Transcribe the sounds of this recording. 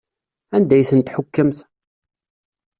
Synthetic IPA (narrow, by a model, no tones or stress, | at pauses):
ænd̪æjθənt̪ħʊkːəmθ